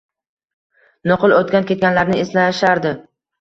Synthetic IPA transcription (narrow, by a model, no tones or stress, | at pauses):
nʊqʰɨlˠot̪kʲankʲe̞t̪̚ɡʲanlaɾnɪeslaʃaɾd̪ɪ